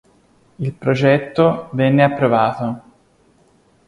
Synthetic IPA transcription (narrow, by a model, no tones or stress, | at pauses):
ilpɾod͡ʒɛt̪ːovɛnːeapːɾovaːt̪o